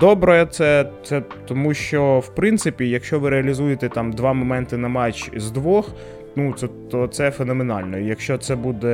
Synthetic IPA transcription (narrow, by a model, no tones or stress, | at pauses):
d̪ɔbɾɛɛt̪sɛt̪sɛt̪ɔmuʃt͡ʃɔwpɾɪnt̪sɪpʲijɐkʃt͡ʃɔʋɪɾeɐlʲizujet̪ɛt̪ɑmd̪ʋɑmɔmɛnt̪ɪnɐmɑt͡ʃzd̪ʋɔx | nut̪sɛt̪ɔt̪sɛfenɔmenɑ̰lʲnɔijɐkʃt͡ʃɔt̪sɛbud̪ɛ